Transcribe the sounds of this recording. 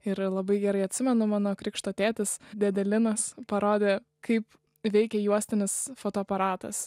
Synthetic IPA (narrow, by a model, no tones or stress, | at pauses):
ɪɾlˠɐbɐɪɡʲɛɾɐɪɐt̪ʲsʲɪmʲɛnʊmɑːnoːkɾʲɪkʃt̪oːt̪ʲæːt̪ʲɪsd̪ʲɛd̪ʲɛlʲɪnɐspɐɾoːd̪ʲeː | kɐɪp | ʋʲɛɪkʲɛjuɔsʲt̪ʲɪnʲɪsfoːt̪oːɐpɐɾɑːt̪ɐ̰s